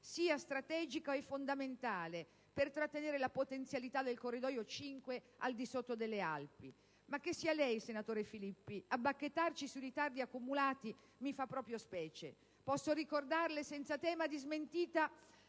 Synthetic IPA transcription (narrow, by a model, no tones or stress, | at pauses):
siːast̪ɾat̪ɛːd͡ʒikaɛfːond̪ament̪aːle | pert̪ɾat̪ːeneːɾelapot̪ent̪sjalit̪ad̪elkorːid̪ɔːjot͡ʃiŋkweald̪isot̪ːod̪elːea̰lpi | mak̟ːesːiːalɛjsenat̪oːɾefilipːiabːakːet̪ːart͡ʃisuiɾit̪ard̪iakːumulaːt̪i | mifapːɾɔːpɾjospɛːt͡ʃḛ | pɔsːoɾikord̪arlesɛnt̪sat̪ɛːmad̪izment̪iːt̪a